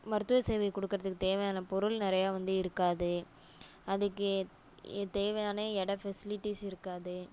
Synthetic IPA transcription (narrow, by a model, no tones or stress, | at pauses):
mɐɾɯt̪ːɯʋɐseːʋɛkɔɽɯkːɪɾɐðɯkːɯt̪eːʋɐjaːnɐpɔɾɯlnɪɾɐjaːʋɐnd̪ɯɪɾɯkːaːðɯ | ɐðɯkːɯ | t̪eːʋɐjaːneːɛɽɐfɛsɪlɪʈːisɪɾɯkːaːðɯ